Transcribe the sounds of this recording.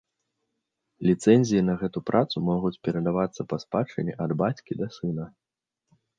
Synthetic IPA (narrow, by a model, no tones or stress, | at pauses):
lʲit̪sɛnʲzʲijinɐɣɛt̪upɾʔat̪sumɔɣut͡sʲpʲɛɾɐd̪avat̪sːɐpɐspat͡ʂɐ̰nʲiʔɐd̪bat͡sʲkʲid̪ɐsɨnɐ